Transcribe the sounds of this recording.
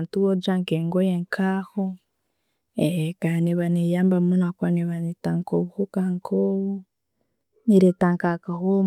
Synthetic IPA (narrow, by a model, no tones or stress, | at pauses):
ntuβod͡ʒaŋkeŋɡojeŋkʰaho | ekaneβanejambamunakwaneβanetaŋkoβuhokaŋkʰoβu | niɾetaŋkakaho